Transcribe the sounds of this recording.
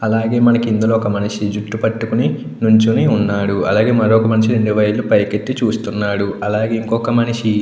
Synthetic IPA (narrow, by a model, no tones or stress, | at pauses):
ɐlaːɡe̞ːmɐnɐkind̪uloːɔkɐmɐniʂid͡ʒuʈːupɐʈːukuni | nuɲt͡ʃuniunːaːɽuɐ̰laːɡe̞ːmɐɾoːkɐmɐniʃiɾe̞ɳɖuʋɐjlːupɐjke̞t̪ːit͡ʃuːst̪unːaːɽuɐlaːɡeːiŋkɔkɐmɐniʂi